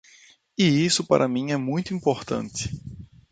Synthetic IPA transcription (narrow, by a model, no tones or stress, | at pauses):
ɪisʊpa̰ɾʔɐmĩɛmũj̃t̪ʊĩmpoɾt̪ɐ̰̃nt̪ɪ̥